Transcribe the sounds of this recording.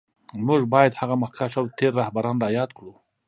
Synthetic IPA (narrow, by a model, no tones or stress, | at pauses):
mʊʒbɑjad̪haɣamahkaʃawt̪eɾːahbaɾɑnɾajɑd̪̚kɽu